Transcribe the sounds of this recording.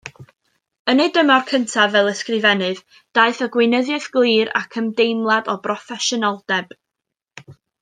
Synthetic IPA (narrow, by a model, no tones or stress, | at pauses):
ənejdəmarkʰəntʰavvɛlˠəskrɨvɛnɨð | d̥aɨθəɡwɪnəðjɛθɡ̥lˠiːɾa̰kʰəmdejmlˠadɔbrɔfɛʃɔnɔlˠd̥ɛb̥